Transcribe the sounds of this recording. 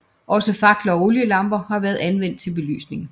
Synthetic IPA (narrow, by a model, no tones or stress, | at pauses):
ʔɒ̽səfɑ̈ɡ̥lɐɒ̽o̝ljəlɑ̈mb̥ɐhɑ̈ʋæːɐðˠænʋen̰d̥̚t͡sʰe̝lb̥e̝ly̰ːsne̝ŋ̩